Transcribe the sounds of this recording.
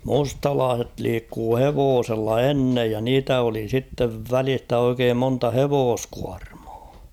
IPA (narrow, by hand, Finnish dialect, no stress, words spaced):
mustɑlɑːset liːkːuː heʋoːselːɑ enːej jɑ niːtæ oli sitːeʋ ʋælistæ oikeːm montɑ heʋoːskuɑrm̥ɑ̥ː